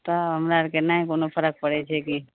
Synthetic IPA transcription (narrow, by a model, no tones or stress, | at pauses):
t̪aɦəmɾaɾkenaːĩkonopʰəɾək̚pəɽet͡ʃʰɛki